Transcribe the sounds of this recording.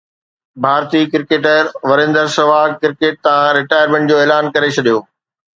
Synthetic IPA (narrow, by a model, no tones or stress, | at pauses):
bʱaːɾt̪ikɪɾkeːʈəɾʋɐɾẽːnd̪əɾsɐʋaːkɪɾkeːʈ̚t̪ɐʋãɾɪʈaːjəɾmẽɳʈ̚d͡ʑoːeːlaːnkɐɾet͡ɕʰɐɗijoː